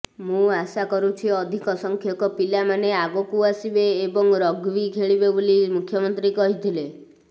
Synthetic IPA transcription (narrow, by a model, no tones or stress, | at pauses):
mũasakɔɾũt͡ʃʰiɔd̪ʱikɔsɔŋkʰjɔkɔpilamaneaɡokuasibeːbɔŋɾɔɡʋikʰeɭibebolimukʰjɔmɔnt̪ɾikɔɦit̪ʰile